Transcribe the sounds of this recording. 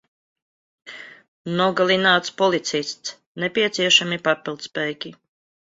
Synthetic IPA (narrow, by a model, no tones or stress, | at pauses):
nɔɡalʲˠinaːt̪spɔlit̪sisʲt̪s | nɛpʲiɛt̪siɛʃamipapʲilˠd̪spɛjkʲi